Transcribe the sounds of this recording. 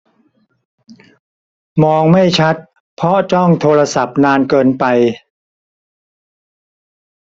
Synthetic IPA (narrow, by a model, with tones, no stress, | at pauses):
mɔː˧ŋma˥˩jt͡ɕʰa˦˥t̪̚ | pʰɾɔ˦˥t͡ɕɔ˥˩ŋt̪ʰoː˧ɾa˧sa˨˩p̚naː˧nkɤː˧npa˧j